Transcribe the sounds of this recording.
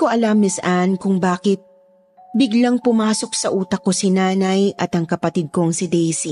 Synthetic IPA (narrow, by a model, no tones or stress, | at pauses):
koʔɐlɐmːɪsʔankʊŋbaːkɪt̪̚ | bɪɡlaŋpʊmaːso̞k̚sɐʔuːt̪ɐko̞sɪnaːnɐjʔɐt̪ɐŋkɐpɐt̪ɪd̪̚koŋsɪd̪ɛjsi